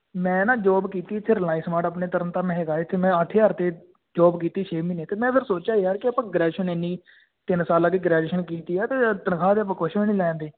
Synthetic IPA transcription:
mɛ̃ːnãːd͡ʒɔːbkiːt̪iːɪt̪ʰːeːɾlaːɪsmaːʈəp̬neːt̪əɾənt̪ãːmɛ̃ːɦeɡaːet̪ʰːeːmɛ̃ːəʈʰːeːəɾt̪eː | d͡ʒɔːbkiːt̪iːʃeːmiːneːt̪eːmɛ̃ːpʰɪɾsoːt͡ʃaːiəɾkɪəpãːɡɾɛːʃəneːnːiː | t̪ɪnsaːlaːkiːɡɾɛːɖeːʃənkiːt̪iːɛːt̪eːt̪ənkʰaːd̪eːəp̬ãːkoʃnĩːlɛ̃ːnd̪eː

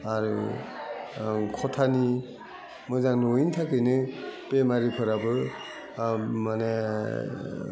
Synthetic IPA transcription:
aɾɯ̰ | kʰɔtʰani | mɯzaŋnointʰakɯjnɯpemaɾipʰɯɾabɯ | mane

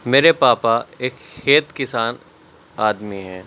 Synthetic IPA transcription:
meːɾepaːpaeːkxeːt̪kɪsaːn | aːd̪miɦɛ̃ː

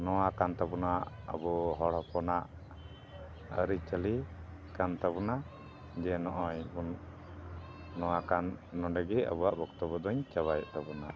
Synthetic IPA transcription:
nɔwakant̪abunaʔ | ə̰bɔɦɔɽɔpʰɔnaʔ | əɾit͡ʃəli | kant̪abɔna | d͡ʒɛnɔʔɔɲbun | ɔwakanːɔɳɖɛɡɛə̰buaʔbɔkt̪ɔbɔd̪ɔɲt͡ʃaβajʔt̪abuna̰ʔ

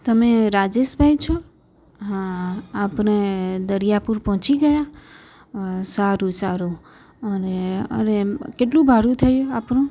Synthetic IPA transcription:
t̪əmeɾad͡ʒeʃbʱait͡ʃʰɔ | ɦãapñed̪əɾijapuɾpɔɦt͡ʃiɡəja | saɾũsaɾũ | əneə̰nekeʈlũbʱaɽũt̪ʰəjuapɳũ

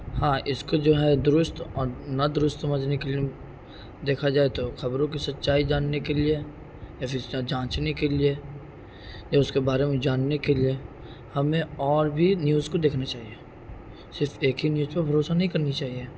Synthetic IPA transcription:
hãːʔɪskod͡ʒoːɦɛd̪ʊɾʊst̪ɔːɾnɐd̪ʊɾʊst̪sɐməd͡ʒʱnekelie | d̪eːkʰad͡ʒaːet̪oxɐbɾõk̬isɐt̪ːʃaːid͡ʒaːnːekelie | japɪɾsad͡ʒãːt͡ʃnekelie | jaʊskebaːɾemẽd͡ʒaːnːekelie | hɐmẽɔːɾbʱinjuːzkod̪eːkʰnat͡ʃaːɦie | sɪɾfeːkɦinjuːzpɐɾbʱɐɾoːsanɐɦĩkɐɾnit͡ʃaːɦie

